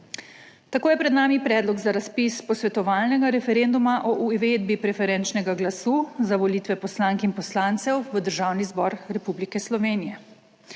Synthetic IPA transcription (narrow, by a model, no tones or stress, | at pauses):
t̪akoːjɛpɾɛd̪naːmipɾɛːd̪lɔɡzaɾaspispɔsʋɛt̪ɔʋaːlnɛɡaɾɛfɛɾend̪umaʔɔʔuʋeːd̪bipɾɛfɛɾɛːnt͡ʃnɛɡaɡlasuːzaʋɔliːt̪ʋɛpɔslaːŋkinpɔslaːnt̪sɛwʋəd̪əɾʒawnizbɔːɾɾɛpublikɛslɔʋeːnijɛ